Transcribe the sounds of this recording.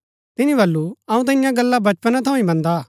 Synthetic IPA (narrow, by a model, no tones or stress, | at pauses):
t̪ɪnĩbɐlːuɐũt̪̬ɐɪjãɡɐlːabɐt͡ʃpənãt̪ʰɐũĩbɐ̃nd̪aː